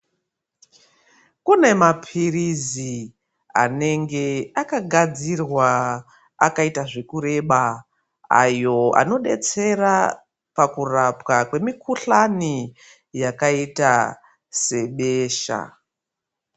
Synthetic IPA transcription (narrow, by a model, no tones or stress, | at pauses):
kune̞mapʰirizi | a̰ne̞ŋɡe̞akaɡʱad͡zirwa | a̰kaitaʐe̞kuɾe̞ɓa | a̰jo̞a̰no̞ɗe̞t͡se̞ra | pakurapwakwe̞mikuɬani | jakaita | se̞ɓe̞ːʃa̰